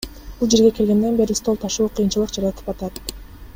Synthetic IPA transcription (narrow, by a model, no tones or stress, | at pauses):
bulˠd͡ʒe̞ɾɡe̞ke̞lɡʲe̞nd̪e̞nbe̞ɾist̪o̞lˠt̪ʰɑʃuːqʰɯjɯnt͡ʃɯlˠɯqd͡ʒɑɾɑɑt̪ʰɯ̥pɑt̪ɑt̪̚